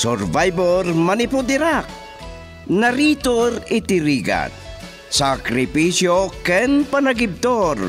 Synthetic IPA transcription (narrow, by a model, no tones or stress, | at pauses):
soɾvajboɾmɐnɪpʊd̪ɪɾak̚ | nɐɾit̪oɾɪt̪ɪɾiːɡa̰t̪̚ | sakɾɪpisjokɛnpanaɡɪb̚t̪oɾ